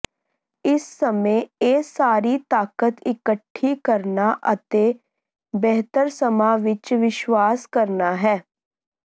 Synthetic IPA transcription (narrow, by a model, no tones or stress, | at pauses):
ɪsːəmẽːeːsaːɾiːt̪aːkət̪ɪkəʈʰːiːkəɾnaːʔət̪eː | bɛɦt̪əɾsəmãːʋɪt͡ʃʋɪʃʋaːskəɾnaːɦɛː